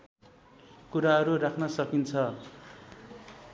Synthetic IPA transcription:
kuɾaɦʌɾurakʰnʌsʌkint͡sʰʌ

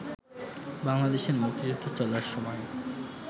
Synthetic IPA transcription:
baŋlad̪eʃeɾmukt̪id͡ʑud̪ʱot͡ɕɔlaɾʃɔmɔe

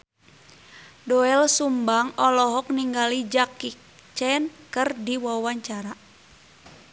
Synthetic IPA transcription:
dɔɛlsumbaŋɔlɔɦɔk̚niŋɡalid͡ʒakːik | t͡ʃɛnkərdiwawaɲt͡ʃaɾa

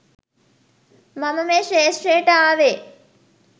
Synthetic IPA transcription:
mɐməmeːʃeːʂrejəʈəaːʋeː

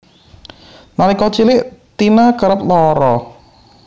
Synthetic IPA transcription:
nalikɔt͡ʃilɪʔt̪inakəɾəp̚lɔɾɔ

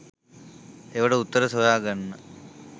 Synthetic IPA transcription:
eʋɐɽəut̪ːəɾɐsojaːɡanːɐ

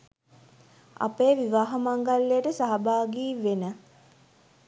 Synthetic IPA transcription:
a̰peːʋiʋaːɦɐmaŋɡalːejəʈəsaɦɐbaːɡiːʋenə

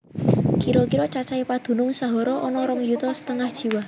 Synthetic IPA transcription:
kiɾɔkiɾɔt͡ʃat͡ʃaipad̪̥ṳnʊŋsaɦɔɾɔʔɔnɔɾɔŋjut̪ɔsə̥t̪əŋahd̥ʒ̥i̤wah

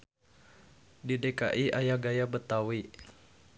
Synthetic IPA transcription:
dideka̰ʔiʔajaɡajabət̪awi

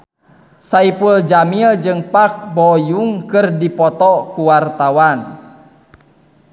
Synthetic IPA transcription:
saipuld͡ʒamild͡ʒɨŋpak̚bɔjuŋkɨrdipɔt̪ɔkuwart̪awan

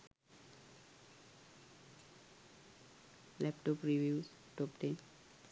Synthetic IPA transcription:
lɛpʈɔpɾiʋuːz | ʈɔpʈẽn

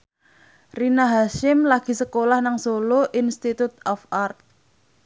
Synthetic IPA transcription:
rinaɦaʃɪmlaɡ̥i̤səkolahnaŋsoloʔinst̪it̪ut̪̚ɔfart̪̚

